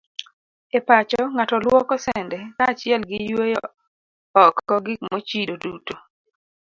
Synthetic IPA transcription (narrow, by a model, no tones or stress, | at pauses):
epat͡ʃɔŋatɔlwɔkɔsɛndɛkat͡ʃɪɛlɡɪjwejɔ | ɔkːɔɡɪkmot͡ʃidoduto